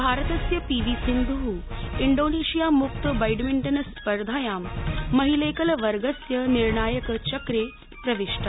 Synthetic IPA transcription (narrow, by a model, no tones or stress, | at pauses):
bʱaɾət̪əsjəpiʋisind̪ʱuɦuiɳɖoneɕijamuk̚t̪əbɐjɖmiɳʈənspəɾd̪ʱajamːəɦilekəlʋəɾɡəsjəniɾɳaːjəkt͡ɕəkɾe | pɾɐʋeʂʈa